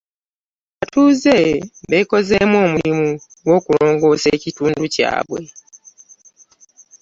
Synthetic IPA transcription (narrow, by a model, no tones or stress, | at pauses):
atuːzeβeko̞zemwo̞ːmulimu | ɡwo̞ːkulo̞ːŋɡo̞ːseːcituːnduca̰ːβwe̞